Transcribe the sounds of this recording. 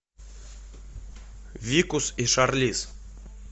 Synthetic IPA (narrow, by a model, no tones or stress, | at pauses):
vʲikusiʃarlʲis